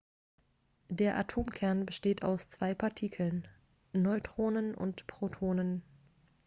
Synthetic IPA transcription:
deːɐʔatʰoːmkʰɛɐnbəʃteːtʰa̰ʊst͡sv̥aɪpʰaɐtʰiːkʰl̩nː | ɔʏtʁ̥oːnənʊ̰ntpʁ̥otʰoːnən

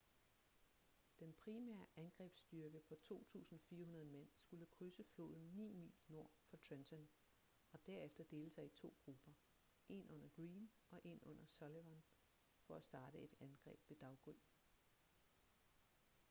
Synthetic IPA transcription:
d̥enpʰʁimæ̰ːɐʔænɡ̥ʁɛ̰ːb̥sd̥yɐɡ̥əpʰɒ̽t͡sʰo̝̰ːt͡sʰṵːsn̩fiːɐɦunɐð̞ˠmen̰sɡ̥uləkʰʁysəflo̝ːðˠn̩nḭːmḭːlno̝ɐ̰fɑ̈t͡sʰensʰɔn | ɒ̽d̥æɐ̰efd̥ɐd̥e̝ːləsɑ̈ɪit͡sʰo̝̰ːɡ̥ʁub̥ɐ | ʔe̝nʔɔ̽n̰ɐɡ̥ʁiːnʔɒ̽ʔe̝nɔ̽n̰ɐsɒleʋɐn | fɒ̽æsd̥ɑ̈ːd̥əe̝d̥ænɡ̥ʁɛ̰ːb̥ʋe̝d̥ɑ̈ʊɡ̥ul

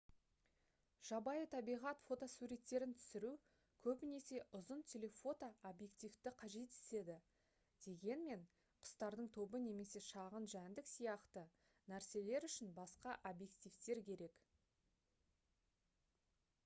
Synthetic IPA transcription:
ʒ̥ɑbɑjət̪ʰɑbijʁɑt̪fo̞t̪osuɾe̞t̪ːe̞ɾɪnt̪ʰʏ̥sɪɾu | kʲʰɵbɪne̞se̞ʔʊzənt̪ʰelʲe̞fo̞t̪oobje̞k̚t̪ift̪ɪqʰɑʒe̞t̪ɪ̥se̞d̪ɪ | d̪̥e̞ɡʲe̞nme̞ɴ | qʰʊ̥st̪ɑɾd̪əɴt̪ʰo̞bəne̞me̞se̞ʃɑʁənʒænd̪ɪksijɑqt̪ə | næɾse̞le̞ɾʏʃɪnbɑsqɑʔobje̞k̚t̪ijft̪e̞ɾkʲʰe̞ɾe̞k

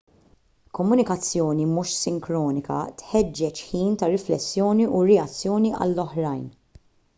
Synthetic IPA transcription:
kɔmːʊnɪkɐt͡sːjɔːnimuʃsɪŋkɾɔːnɪkɐ̰t̪ħɛd͡ʒːɛt͡ʃħiːnt̪ɐɾɪflɛsːjɔːniʔuɾɛɐt͡sːjɔːniʔɐ̰lːɔħɾɐjn

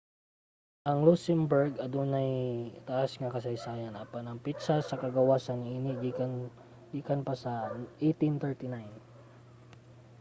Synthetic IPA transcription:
ʔɐŋlusɛmbɛɹɡɐd̪unɐjt̪ɐʔasŋɐkɐsɐjsaːjɐnʔapanɐŋpit̪sasɐkɐɡɐwaːsɐnʔiːnɪɡi | ɡikɐnpɐsɐʔejt̪int̪ɛɹt̪ɪnajn

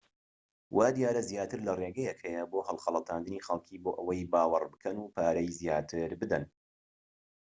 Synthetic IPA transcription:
wʔaːd̪jaːɾɐzjaːt̪ɨɾlɐreɡɛjɛkhɛjɐboːhɐlˠχɐlˠɑt̪ʰaːnd̪ɨniːxɐlˠkʰiːboːʔɐwɐjbaːwɨrbɨkʰɐnuːpʰaːɾɐjzjaːt̪ʰɨɾbɨd̪ɐn

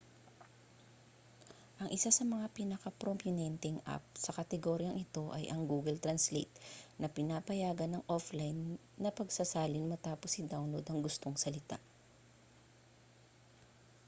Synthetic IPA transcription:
ʔɐŋʔɪsasɐmɐŋapinɐkɐpɾompjʊnɛnt̪ɛŋʔa̰p̚sɐkɐt̪ɛɡoɾjɐŋʔɪt̪o̞ʔɐjʔɐŋɡuːɡɛlt̪ɾɐnslḛjt̪̚nɐpɪnapɐjaːɡɐnɐŋʔoflajnː | ɐpɐɡsɐsaːlɪnmɐt̪aːposɪd̪awnlowd̪ɐŋɡʊst̪o̞ŋsɐlɪt̪a̰ʔ

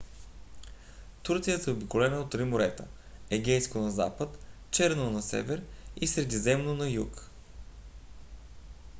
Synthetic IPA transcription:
t̪uɾt̪sijəsɛobikʊlɛnəot̪ːɾimʊɾɛt̪ə̰ | ɛɡʲɛjskonɐza̰pət̪ | t͡ʃɛɾnonɐsɛ̰vɛɾisɾɛd̪izɛmnonɐjuk

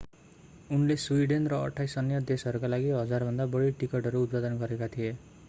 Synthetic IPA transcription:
unleswiɖenrʌʌ̰ʈʰajsʌnjʌd̪esʌɾukalaɡiɦʌd͡zarbʱʌnd̪abʌɽiʈikʌʈʌɾuːt̪̚pad̪ʌnɡʌɾekat̪ʰije

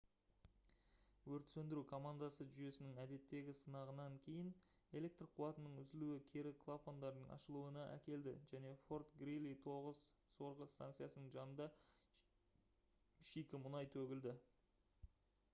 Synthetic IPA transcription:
wɵɾt̪sɵnd̪ɪɾukʰo̞mand̪ɑsəʒʏje̞sɪnɪŋæd̪e̞t̪ːe̞ɡʲɪsənɑʁənɑŋkʲʰe̞jɪn | e̞le̞k̚t̪rqʰuwɑt̪ənəɴʏzɪluɪkʲʰe̞ɾɪkʰlˠapond̪ɑɾd̪əɴɑ̰ʃəlˠuənɑʔæ̰kʲe̞ld̪ɪ̰ʒæne̞fo̞rt̪ɡrilʲit̪ʰo̞ʁəzso̞ɾʁəst̪a̰nt̪sɨjasənəɴʒɑnənd̪ɑ | ʏʃikʲɪmʊnɑjt̪ʰɵɡʲɪld̪ɪ

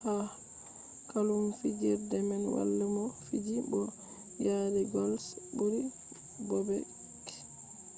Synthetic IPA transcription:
ha | kalumfid͡ʒiɾdɛmɛnwa̰lːamɔfid͡ʒibɔ | jaːdɛɡɔlsboɾi | bɔbɛ | k

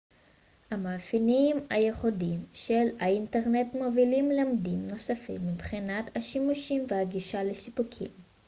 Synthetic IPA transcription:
hamaːfiniima̰jeχodimʃelainteʁnetmovilimlamdimno̞safḭmːibχinat̪haʃimuʃimvehaɡiʃalesipukʰḭm

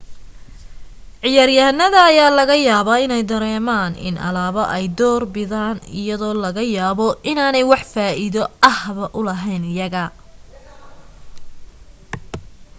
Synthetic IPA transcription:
ʕɪjarjɐɦnːɐðɐːjaːlɐɣɐjaːβaːɪnɛjd̪ɐɾɛːmaːnɪ̰nʔɐ̰laːβɐʔɛjd̪ɔːrbɪðaːnɪ̰jɐðɔːlɐɣɐjaːβɔʔɪnaːnɛjwɑħfaːʔiðɔʔɐhβɐʔʊlɐɦɛjnjɐɣɐ

